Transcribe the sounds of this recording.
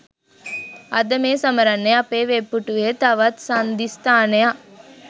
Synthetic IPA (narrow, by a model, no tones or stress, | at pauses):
ɐd̪ɐmeːsɐməɾɐnːeɐpeːʋepːuʈuet̪ɐʋɐt̪sand̪ist̪aːneja